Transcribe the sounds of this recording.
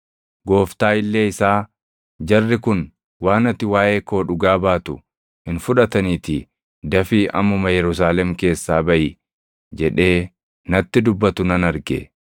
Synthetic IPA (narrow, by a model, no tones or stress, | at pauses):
ɡo̞ːft̪aːɪlːe̞ːɪsaː | d͡ʒɐrːɪkʊn | waːnɐt̪ːɪwaːʔe̞ːko̞ːᶑʊɡaːbaːt̪ʊ | hɪnfʊᶑɐt̪ɐniːt̪ɪ | d̪ɐfiːʔɐ̰mʊmɐjɛɾʊs̬aːlɛmke̞ːsːaːbɐʔɪ | d͡ʒɛᶑe̞ː | nɐt̪ːɪd̪ʊbːɐt̪ʊnɐnɐɾɡɛ̰